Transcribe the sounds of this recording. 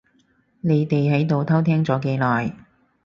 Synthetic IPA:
ne˨˧jt̪e˨jɦɐ˨˥jt̪o˨wt̪ʰɐ˥wt̪ʰɛː˥ŋt͡sɔː˨˥ke˧jlɔː˨j

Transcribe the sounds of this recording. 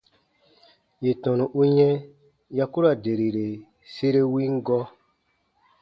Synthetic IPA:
je˨tɔ̃˨nũ˨ʔu˦ɲɛ̃˦ | ja˦ku˦ɾa˨de˨ɾi˨ɾe˨ | se˦ɾe˦wĩ˦ŋ˦ɡɔ˦

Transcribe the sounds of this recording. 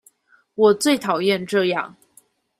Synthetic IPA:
wɔ˨˩t͡swe˥˩ɪt̪ʰɑ˨˩ʊjɛ˥˧nʈ͡ʂɤ˥˧jɑ˥˩ŋ

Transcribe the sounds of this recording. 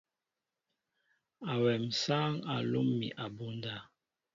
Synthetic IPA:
a˨wɛ˨msaː˦ŋa˨lo˦mːḭ˨ʔa˨bu˦n˦da˦˨

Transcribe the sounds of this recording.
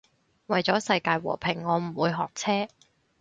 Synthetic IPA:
wɐ˨jt͡sɔː˨˥sɐ˧jkaː˧jwɔ̰ː˨˩pʰɪ˨˩ŋːɔː˨˧m̩˨˩wuː˨˧jɦɔː˨k̚t͡sʰɛː˥

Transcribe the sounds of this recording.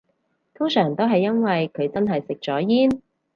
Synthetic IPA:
t̪ʰʊ˥ŋsœː˨˩ŋt̪o˥wɦɐ˨jːɐ˥nwɐ˨jkʰɵ˨˧ɥt͡sɐ˥nɦɐ˨jsɪ˨k̚t͡ʃɔː˨˥jiː˥n

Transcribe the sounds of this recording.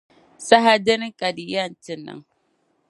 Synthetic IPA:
sa˦ɦa˦dɪ˦nɪ˦ŋkʼa˨di˨ja˦˨ntɪ˨nːa̰˦ŋ

